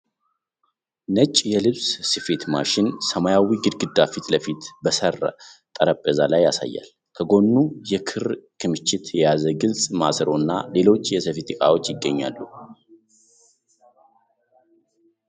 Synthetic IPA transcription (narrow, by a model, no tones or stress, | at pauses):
nət͡ʃʼjɛlɨβssɨfe̞t̪maʃɪnsəmajawiɡɨd̪ɡɨd̪ːafit̪ləfit̪bəsəra̰t̪ʼəɾəpʼːəzalajːasa̰jːa̰l | kʰəɡo̞nːujɛkʰɨɾkʰɨmɨt͡ʃːɪt̪jɛjazəɡɨlsʼma̰sɾo̞nːale̞lo̞t͡ʃːjɛsəfit̪ʰʼikʼa̰wo̞t͡ʃːjɪɡːəɲːa̰lːu